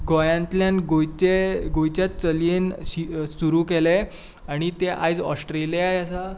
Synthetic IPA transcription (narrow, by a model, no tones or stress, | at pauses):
ɡɔjãnt̪ljãnɡot͡ɕeɡojt͡ɕjat̪̚t͡səlensisuɾuːkele | aɽ̃it̪eʔa̰jd͡zɔ̰sʈɾelijajasa